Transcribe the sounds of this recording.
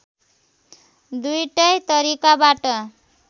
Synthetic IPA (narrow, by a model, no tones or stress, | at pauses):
d̪ujʈʌjt̪ʌɾikabaʈʌ